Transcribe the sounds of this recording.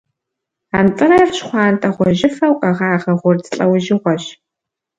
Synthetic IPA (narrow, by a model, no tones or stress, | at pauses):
aːnt͡sʼɨrɐrɕχʷɑːntʼɐʁʷɔʑɪfɐwqʼɐʁaːʁɐʁʷʊrtʰɬʼɐwʒɪʁʷɔɕ